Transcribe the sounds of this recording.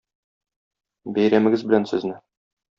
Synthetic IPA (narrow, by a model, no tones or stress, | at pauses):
bæjɾæmɘ̆ɡɘzbɘ̆lænsɘ̆znɘ